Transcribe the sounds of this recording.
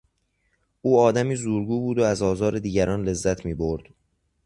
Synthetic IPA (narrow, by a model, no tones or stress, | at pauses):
ʔuːɒːd̪æmiːzuːɾɡuːbuːd̪oæzɒːzɒːɾed̪iːɟæɾʔɒːnle̞zːæt̪ʰmiːboɾd̪̥